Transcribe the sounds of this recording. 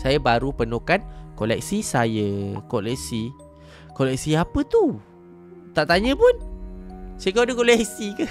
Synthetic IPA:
sajəbaɾupənokankolɛ̰k̚sisajəkolɛk̚si | kolɛk̚siapət̪u | t̪aʔt̪aɲə̃pʊn | sakadəkolɛk̚sikə

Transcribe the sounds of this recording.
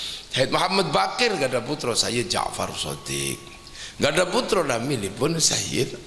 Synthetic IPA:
aɛt̪̚maɦamːat̪̚bakɪrɡadaput̪ɾɔsajəd͡ʒa̰fa̰rso̰t̪ɪ̰k̚ | ɡadaput̪ɾɔnamilipʊnsa̰jə̰

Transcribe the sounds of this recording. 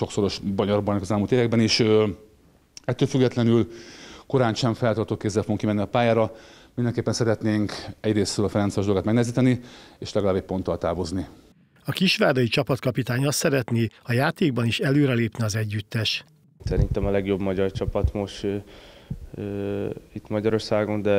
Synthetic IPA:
ʃo̞kso̞ɾo̞ʃbɒɲɒrbɒnɛkɒzɛlmult̪eːvɛɡ̚bɛniʃ | ɛt̪ːøːlfyɡːɛt̪lɛnylko̞ɾaːnʃɛɱfɛlt̪ɒrt̪ok̚keːzːɛlfoɡoŋkimɛnːiɒpaːjaːɾɒ | mind̪ɛŋkeːpːɛnsɛɾɛt̪neːŋkɛɟreːsɾøːlɒfɛɾɛnt̪sijoʒd̪olɡaːt̪mɛɡnɛɛziːt̪ɛnieːʃlɛɡɒlaːbɛc̚po̞nt̪ɒlt̪aːvo̞zni | ɒkiʃʋaːd̪ɒjit͡ʃɒpɒt̪kɒpit̪aːɲɒssɛɾɛt̪niɒjaːt̪eːɡ̚bɒniʃɛløːɾɛleːpniɒzɛɟːyt̪ːɛʃ | sɛɾint̪ɛmɒlɛɡjo̞bmɒɟɒrt͡ʃɒpɒt̪moʃ | it̪mɒɟɒɾo̞rsaːɡo̞nd̪ɛ

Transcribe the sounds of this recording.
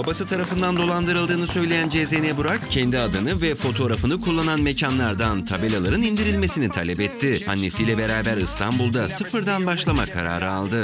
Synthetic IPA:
babasɯt̪ʰaɾafɯnd̪and̪o̞lˠand̪ɯɾɯlˠd̪ɯːnɯsø̞jlʲejænd͡ʒezenɛbuɾakcʰɛnd̪iad̪ɯnɯvɛfo̞t̪ʰo̞ɾafɯnɯkʰulˠːananme̞canlˠaɾd̪ant̪ʰabelʲalˠaɾɯnind̪iɾilʲme̞sinit̪ʰalʲɛpɛt̪ʰːɪa̰nːe̞sijlʲɛbe̞ɾaːbæɾɯst̪ʰanbulˠd̪asɯfɯɾd̪anbaʃlˠamakʰa̰ɾa̰ːɾɯalˠd̪ɯ

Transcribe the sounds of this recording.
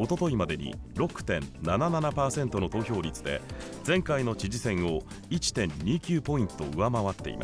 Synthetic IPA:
o̞t̪o̞t̪o̞imad̪e̞ɲ̟ḭɾo̞kɯ̟̥t̪ẽ̞̰nnanananapaːsẽ̞nt̪o̞no̞t̪o̞ːço̞ːɾʲit͡sɨd̪e̞̰ | d͡zẽ̞ŋkaino̞t͡ɕiʑisẽ̞ɰ̃o̞ | it͡ɕi̥t̪ẽ̞ɲ̟ːʲiːkʲɨːpo̞ĩnt̪o̞ɯ̟βamaβat̪ːe̞̰ḭmʔa̰s

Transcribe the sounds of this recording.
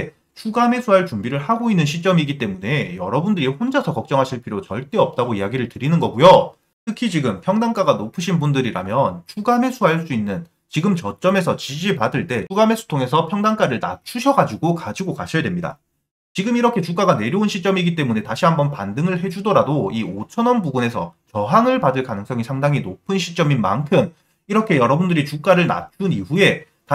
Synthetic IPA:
e | t͡ɕʰuɡame̞sʰuɦaɭt͡ɕumbiɾɯɭhaɡoinːɯnɕʰit͡ɕ͈ʌmiɡit͈e̞mune̞jʌɾʌbundɯɾihond͡ʑasʰʌkʌk̚t͡ɕ͈ʌŋɦaɕʰiɭpʰiɾot͡ɕʌɭt͈e̞ʌp̚t͈aɡoiaɡiɾɯɭtɯɾinɯnɡʌɡujo | tʰɯkʰit͡ɕiɡɯmpʰjʌŋdaŋk͈aɡanopʰɯɕʰinbundɯɾiɾa̰mjʌnt͡ɕʰuɡame̞sʰuɦaɭs͈uinːɯn | t͡ɕiɡɯmt͡ɕʌt͡ɕ͈ʌme̞sʰʌt͡ɕid͡ʑipadɯɭt͈e̞t͡ɕuɡame̞sʰu̥tʰoŋe̞sʰʌpʰjʌŋdaŋk͈aɾɯɭna̰t͡ɕʰuɕʰʌɡad͡ʑiɡokad͡ʑiɡokaɕʰʌjadwe̞mɲida̰ | t͡ɕiɡɯmiɾʌkʰe̞t͡ɕuk͈aɡane̞ɾjʌunɕʰit͡ɕ͈ʌmiɡit͈e̞mune̞taɕʰiɦambʌnpandɯŋɯɭɦe̞d͡ʑudʌɾadoiot͡ɕʰʌnʌnbuɡune̞sʰʌt͡ɕʌɦaŋɯɭpadɯɭkanɯŋs͈ʌŋisʰaŋdaŋinopʰɯnɕʰi̥t͡ɕ͈ʌmima̰nkʰɯm | iɾʌkʰe̞jʌɾʌbundɯɾit͡ɕuk͈aɾɯɭna̰t͡ɕʰuniɸue̞ | t

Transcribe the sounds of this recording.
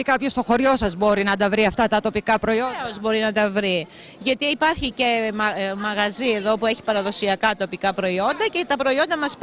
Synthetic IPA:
ikɐpço̞st̪o̞xo̞ɾʝo̞sɐzbo̞ɾinɐd̪ɐvɾiɐft̪ɐt̪ɐt̪o̞pikɐpɾo̞ioozbo̞ɾinɐt̪ɐvɾi | ʝɐt̪iːpɐɾçice̞mmɐɣɐzie̞ðo̞pue̞çi̥pɐɾɐðo̞siɐkɐt̪o̞pikɐpɾo̞io̞nd̪ɐcet̪ɐpɾo̞io̞nd̪ɐmɐsp

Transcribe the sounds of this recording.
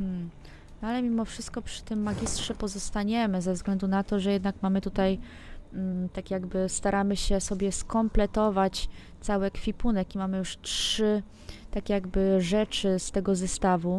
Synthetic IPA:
nalɛmʲimɔfʂɘst̪̚kɔpʂɘ̥t̪ɘmːaɡʲistʂɛpɔzɔst̪aɲɛmɘzɛvzɡlɛnd̪unat̪ɔʐɛjɛd̪nakmamɘt̪ut̪aj̩ | t̪akʲjaɡbɘst̪aɾamɘɕɛsɔbʲjɛskɔmplɛt̪ɔvat͡ɕ | t̪sawɛkfʲipunɛkimamɘjuʂtʂɘ | t̪akʲjaɡbɘʐɛt͡ʂɘst̪ɛɡɔzɛst̪avu

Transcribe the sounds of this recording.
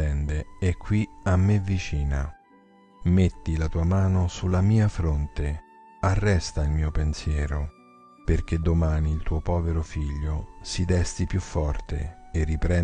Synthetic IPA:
ɛnd̪eɛkʰːwiamːevit͡ʃiːna | met̪ːilat̪uːamaːnosulamiːafɾont̪e | arːɛst̪ailmiːopensjɛːɾo | perk̟ed̪ːomaːniːlt̪uːopɔːveɾofiʎːosid̪ɛst̪ipjufːɔrt̪ḛːrːipɾɛ

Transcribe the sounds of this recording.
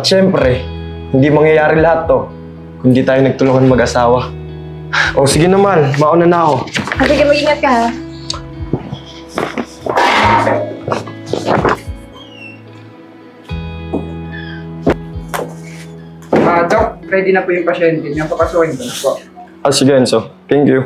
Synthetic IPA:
ʔɐt̪̚ʃɛmpɾɛhɪnd̪imɐŋjɐjaːɾɪlɐhat̪ːo̞ | kʊnd̪iːt̪aːjonɐɡ̚t̪ʊlʊŋanmɐɡʔɐsaːwɐ | ʔosɪɡɛnɐmanmɐʔonanako̞ad̪ɐɡɐmɐɡiŋɐt̪̚kɐ | ad̪ok̚pɾɛd̪ɪnɐpʊʔjʊŋpɐʃɛnt̪ɛmɐmpɐpɐsukɪŋd̪onpoʔʔosɪɡɐjonsot̪ɛŋkjʊ

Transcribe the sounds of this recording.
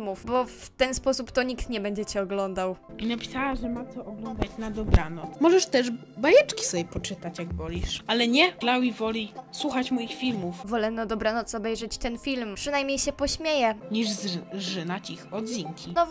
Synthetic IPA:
mufbɔf | t̪ɛnspɔsupt̪ɔɲikt̪ɲɛbɛɲd͡ʑɛt͡ɕɛɔɡlɔnd̪aw | inapʲi̥sawaʐɛmat̪sɔʔɔɡlɔnd̪at͡ɕnad̪ɔbɾanɔt̪smɔʐɛʂt̪ɛʐ | bajɛt͡ʂkʲi̥sɔbjɛpɔt͡ʂɘt̪at͡ɕjaɡbɔlʲiʂʔalɛɲɛlawivɔlʲiswuxat͡ɕmɔjixfʲilmufvɔlɛnad̪ɔbɾanɔt̪sɔbɛjʐɛt͡ɕt̪ɛnfʲilmpʂɨnajmɲejɕɛpɔɕmʲjejɛɲiʐzʐɘnat͡ɕixɔd̪ziŋkʲʰiɔ

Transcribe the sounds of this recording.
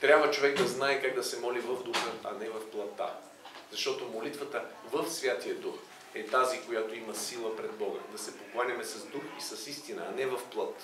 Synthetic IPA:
t̪ɾʲabvət͡ʃovɛɡ̚d̪ɐznaɛkaɡd̪ɐsɛmɔlivəvd̪uxəɐnɛvɐfplˠɐt̪ːa̰ | zɐʃt̪ɔt̪omolit̪vət̪ə | vəfsvʲjat̪ijəd̪ux | ɛt̪azikojat̪oiməsilˠəpɾɛd̪̚bɔɡə̰d̪ɐsɛpoklˠanʲɐmɛsɐzd̪uxisɐsist̪inə̰ːnɛvɐfplˠət̪

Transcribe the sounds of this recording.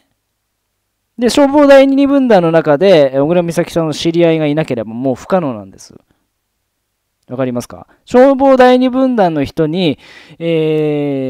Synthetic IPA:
d̪e̞ɕo̞ːbo̞ːd̪aiɲ̟ʲiɲ̟ibɯ̟̃nd̪ãnːo̞nakad̪e̞oɡɯɾamʲisakʲi̥sãnːo̞ɕiɾʲiaiɡainake̞ɾe̞bamo̞ːɸɯ̥kano̞ːnã̰nd̪e̞sɨ̥̰ | βakaɾʲimasɨ̥ka̰ | ɕo̞ːbo̞ːd̪aiɲ̟ibɯ̟̃nd̪ãnːo̞çi̥t̪o̞ɲ̟i | eː

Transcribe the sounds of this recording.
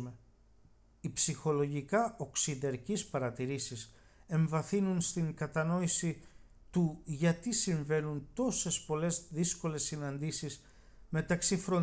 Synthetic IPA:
e | ipsixo̞lo̞ʝikɐo̞ksiðeɾcispɐɾɐt̪iɾisise̞ɱvɐθinunst̪iŋkɐt̪ɐno̞isi | t̪uʝɐt̪isiɱve̞nunt̪o̞se̞spo̞le̞zðisko̞le̞sːinɐnd̪isis | me̞t̪ɐksifɾo̞n

